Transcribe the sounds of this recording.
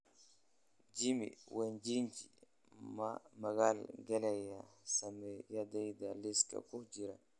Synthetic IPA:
d͡ʒimḭwʔɛnd͡ʒiɲd͡ʒi | mamaɡalɡɛlɛjasamɛjadajdaliska̰kud͡ʒiɾa

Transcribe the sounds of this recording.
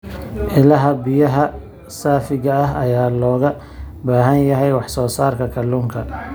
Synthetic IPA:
ʔɪlɐɦɐbɪjɐɦɐ | saːfɪɣɐɐɦɐjaːlɔːɣɐ | baːɦɐnjɐɦɛjwɑħsɔːsaːrkʰɐkʰɐluŋkʰɐ

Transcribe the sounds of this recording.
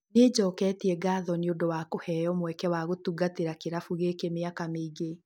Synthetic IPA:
ned͡ʑɔkɛtiɛɡaːðɔneodowakohɛjɔmwɛkɛwaɣotuɡateɾakeɾafuɣekemeakameiɣe

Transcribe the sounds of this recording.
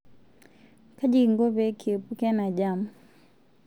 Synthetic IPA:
kaʄiŋɡɔβɛkiɛpukɛanaʄamu

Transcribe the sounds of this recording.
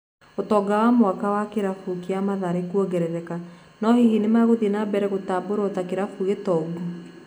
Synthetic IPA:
otɔɡawamoakawakeɾafukiamaðaɾekuɔɡɛɾɛɾɛka | nɔhihinemaɣoðinabɛɾɛɣotaːboɾɔtakeɾafuɣetɔɡu

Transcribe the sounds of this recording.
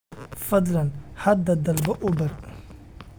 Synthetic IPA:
fɐd̪lɐnhɐd̪ɐd̪ɐlbɐʔʊbɐr

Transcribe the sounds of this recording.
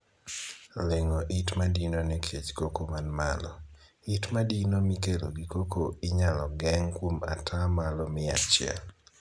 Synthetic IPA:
leŋoʔitmadinonɛkʰet͡ʃkokomanma̰lɔ̰ | itmadinomikeloɡikokoɪɲalɔɡɛŋkwoma̰tʰamalɔmɪa̰t͡ʃɪɛ̰l

